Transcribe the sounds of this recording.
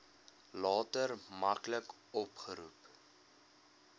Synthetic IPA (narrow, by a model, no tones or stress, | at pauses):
lɑːtərmɐklək | ɔpχəɾṵp